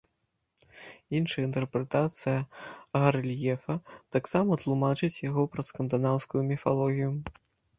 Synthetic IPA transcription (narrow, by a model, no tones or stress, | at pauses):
inʂɐjɐint̪ɛrpɾɛt̪at̪sɨjɐɣɐɾlʲjɛfɐt̪aksamɐt̪lˠumat͡ʂɨt͡sʲjaɣɔpɾɐskɐnd̪anawskujumʲifalˠɔɣʲiju